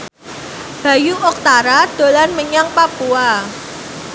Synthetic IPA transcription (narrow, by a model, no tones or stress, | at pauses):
b̥a̤juʔɔk̚t̪aɾad̪̥o̤lanməɲaŋpapua